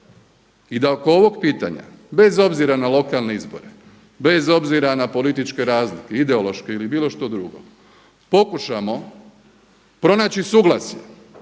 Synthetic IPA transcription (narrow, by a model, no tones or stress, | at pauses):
id̪aokoo̞ʋo̞ɡpiːt̪a̰ɲa̰be̞zo̞bziɾanalo̞kalˠne̞izbo̞̰ɾe | be̞zo̞bziɾanapo̞lit̪it͡ʃke̞ɾaːzlikeid̪eolˠo̞ʃke̞ilibiːlˠo̞ʃt̪o̞d̪ɾuɡo̰ | po̞kuʃamo̞ | pɾo̞naːt͡ɕisuːɡlˠasije